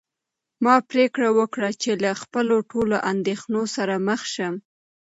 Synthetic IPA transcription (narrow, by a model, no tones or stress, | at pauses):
mɑpɾekɽawəkɽat͡ʃelaxpəloʈoloʔand̪exnosaɾaməxʃəm